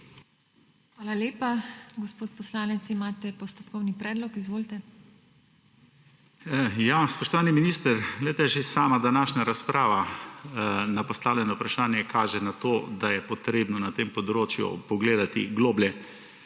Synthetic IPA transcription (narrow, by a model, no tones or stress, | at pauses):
xʋaːlaljeːpaɡɔspoːt̪̚pɔslaːnɛt̪simaːt̪ɛpɔst̪ɔpkɔwnipɾɛːd̪lɔkizʋoːlt̪ɛ | jaspɔʃt̪ɔʋaːniminiːst̪əɾɡlɛjt̪ɛʒesaːmad̪anaːʃnaɾaspɾaːʋa | napɔst̪aːwljɛnaupɾaʃaːnjɛkʰaːʒɛnat̪oːd̪ajɛpɔt̪ɾeːbnɔnat̪empɔd̪ɾoːt͡ʃjṵpɔɡleːd̪at̪ḭɡloːbljɛ